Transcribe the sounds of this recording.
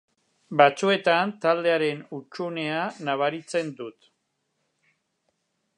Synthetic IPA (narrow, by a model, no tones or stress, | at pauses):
bat͡sue̞t̪ant̪ald̪e̞aɾe̞nut͡ʃune̞anaβ̞aɾit͡se̞nd̪ut̪